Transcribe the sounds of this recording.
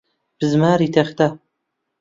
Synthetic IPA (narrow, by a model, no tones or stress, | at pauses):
b̥ɨzmaːɾit̪ʰaχʲt̪ʰa